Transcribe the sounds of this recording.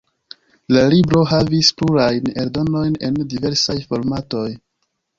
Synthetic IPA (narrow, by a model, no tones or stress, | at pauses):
lalibɾo̞ɦavispluɾajne̞ɾdo̞no̞jne̞̰ndive̞ɾsajfo̞ɾmato̞j